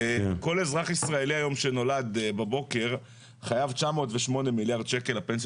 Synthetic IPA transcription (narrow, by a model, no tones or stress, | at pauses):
ko̞le̞zʁaχisʁae̞liajo̞mʃe̞no̞lad̪babo̞ke̞ʁ | χajavt͡ʃamo̞ːtveʃmo̞ne̞miljaʁd̪̚t͡ʃekelapens